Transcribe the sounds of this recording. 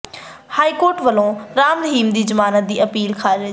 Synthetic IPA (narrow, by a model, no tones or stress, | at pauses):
haːikoːɾʈʋɐlõɾaːmɾɐɦiːmd̪iːzɐmaːnət̪̚d̪iːɐpiːlkʰaːɾɾ